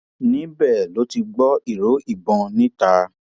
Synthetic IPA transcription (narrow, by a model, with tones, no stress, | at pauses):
nĩ˨˦bɛ˦˨lo˨˦ti˧ɡ͡bɔ˦i˦˨ɾo˨˦i˦˨bɔ̃˧nĩ˦ta˧